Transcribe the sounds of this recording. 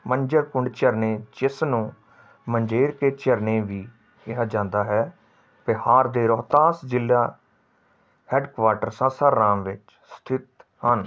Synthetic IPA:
məɲd͡ʒəɾkʊɳɖt͡ʃəɾneːt͡ʃɪsnũː | məɲd͡ʒeːɾkeːt͡ʃəɾnẽːʋiː | ɪɦaːd͡ʒãːnd̪aːɦɛː | pɪhaːɾd̪eːɾɔːt̪aːsd͡ʒɪlːaː | hɛːɖkʋaːɾʈəɾsãsaːɾːãːmʋɪt͡ʃ | st̪ʰɪt̪hən

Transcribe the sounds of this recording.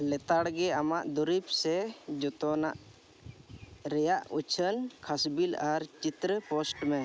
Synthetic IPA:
lɛt̪aɽɡɛamaʔd̪uɾip̚sɛd͡ʒɔt̪ɔnaʔ | ɾɛjaʔut͡ʃʰənkʰasbilaɾt͡ʃit̪ɾəpɔsʈmɛ

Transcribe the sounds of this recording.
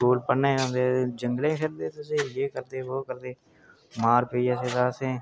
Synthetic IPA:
uːlpənẽːəmd̪eːd͡ʒəŋɡlẽːkʰɪɾd̪eːt̪ʊsẽjeːkəɾd̪eːʋoːkəɾd̪eː | maːɾped͡ʒaːseːzaːsẽː

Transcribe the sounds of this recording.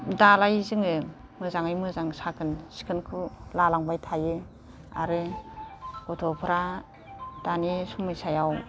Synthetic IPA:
dalajzɯŋɯ | mɯzaŋajmɯzaŋsakʰɯnsi̥kʰɯnkʰulalaŋbajtʰajɯ | a̰ɾɯ | ɡɔtʰɔpʰɯɾa | d̥anisumɯjsajaw

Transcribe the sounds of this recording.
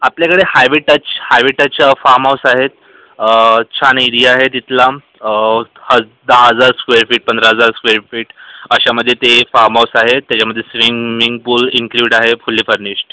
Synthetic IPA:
apljakəɽehajʋeʈət͡ɕhajʋeʈət͡ɕafaɾmawsaɦet̪̚ː | t͡ɕʰaniɾiaɦet̪it̪la | hə | d̪aɦəd͡zaɾskʋeɾfiːʈ̚pənd̪ɾaɦəd͡zaɾskʋeɾfiːʈəɕaməd̪ʱːjet̪efaɾmawsaɦet̪ːjat͡ɕaməd̪ʱjesʋiŋiŋɡ̚puːliŋkluɽaɦefulːiːfəɾnisʈ

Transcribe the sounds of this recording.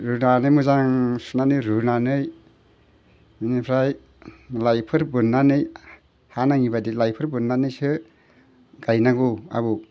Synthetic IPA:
ɾunanɯjmuzaŋsunanɯjɾunanɯj | minipʰɾaj | lajpʰɯɾbɯnːanɯj | hanaŋibadilajpʰɯɾbɯnːanɯjsɯ | ɡajnaɡua̰bu

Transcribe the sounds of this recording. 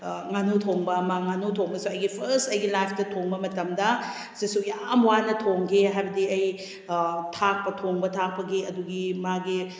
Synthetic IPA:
ŋanutʰoŋbɐmaŋanutʰoŋbɐsuɐjɡipʰɐɾstɐjɡilajpʰtɐtʰoŋbɐmɐtɐmdɐ | sisujamwanɐtʰoŋɡeɦajbɐdiɐj | tʰak̚pɐtʰoŋbɐtʰak̚pɐɡeɐduɡimaɡi

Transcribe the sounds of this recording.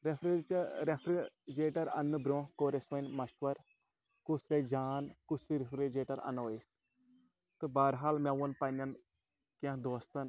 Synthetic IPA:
ɾefʰɾet͡ʃɾepʰɾid͡ʒeːʈɐɾɐ̰nːɨbɾõːkoːɾesʋɐnʲmɐʃʋɐɾ | kuskɐid͡ʒaːnkusiɾefʰɾed͡ʒeːʈɐɾɐ̰nois | t̪ɨbaːɾɦaːlmeʋunpɐnɐn | kãd̪oːst̪ɐn

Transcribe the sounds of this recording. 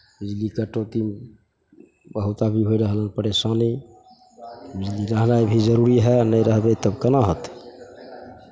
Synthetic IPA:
bid͡ʒlikəʈot̪i | bəɦut̪abʱiɦojɾəɦlənpəɾesani | bid͡ʒliɾəɦnajbʱid͡ʒəɾuɾiɦɛnəjɾəɦbɛt̪əbkənaɦət̪

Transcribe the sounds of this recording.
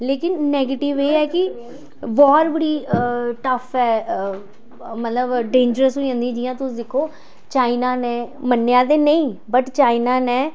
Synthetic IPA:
leːkɪnːɛːɡeːʈɪʋeːɛːkɪ | bɔːɾbəɽiːʈəfʰɛː | mət̪ləbɖẽːɲd͡ʒəɾəsɦoiə̃ːnd̪ĩːd͡ʒiːjãːt̪ʊsd̪ɪkʰːoː | t͡ʃaːinaːnɛ̃ːmənːjaːd̪eːnəĩːbəʈt͡ʃaːinaːnɛː

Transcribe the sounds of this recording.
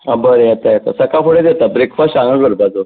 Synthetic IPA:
abəɾeat̪ajet̪a̰səkʰafoɽed̪et̪abɾikʰfaɕãŋɡəɡəɾbad͡zo

